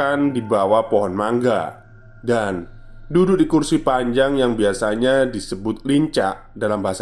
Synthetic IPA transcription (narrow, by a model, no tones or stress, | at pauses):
andibawapɔɦɔnmaŋɡa̰ | dan | dudʊʔdikursipaɲd͡ʒaŋjaŋbiasaɲadisəbʊt̪̚liɲt͡ʃa̰ʔ | dalambaɦasa